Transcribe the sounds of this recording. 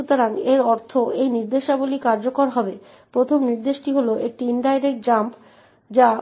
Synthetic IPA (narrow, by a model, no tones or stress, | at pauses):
ut̪oɾaneɾɔɾt̪ʰoejniɾd̪eʃabolikaɾd͡ʑokoɾɦɔbe | pɾot̪ʰomniɾd̪eʃʈiɦoloʔek̚ʈiinɖajɾek̚ʈ̚d͡ʑamp | d͡ʑa